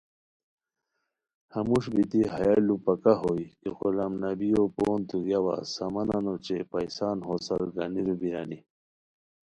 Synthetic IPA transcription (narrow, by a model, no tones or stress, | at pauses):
hɐmuʂbit̪iɦɐjalupɐkaɦoikexolɐmnɐbijopoːnt̪uɡjawa̰sɐmɐnɐnot͡ɕepɐjsaːnɦosɐɾɡɐniɾubiɾani